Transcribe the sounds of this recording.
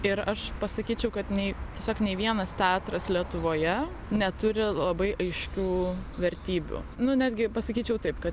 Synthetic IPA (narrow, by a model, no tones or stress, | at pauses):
ɪɾɐʃpɐsɐkʲiːt͡ʃʲɛʊkɐt̪nʲɛɪt̪ʲiɛsʲoːknʲɛɪʋʲiɛnɐst̪ʲæːt̪ɾɐslʲiɛt̪ʊʋoːjɛ | nʲɛt̪ʊɾʲɪlˠɐbɐɪʔɐɪʃʲkʲuːʋʲɛɾʲt̪ʲiːbʲṵːnʊnʲæːd̪ʲɡʲɪpɐsɐkʲiːt͡ʃʲɛʊt̪ɐɪpkɐt̪